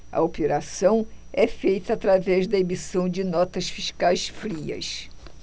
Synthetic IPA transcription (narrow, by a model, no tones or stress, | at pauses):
ɐ̰opeɾasɐ̃w̃ɛfejt̪ɐːt̪ɾavɛzd̪ɐemisɐ̃w̃d͡ʒɪnɔt̪ɐsfiʃkajsfɾiɐ̰s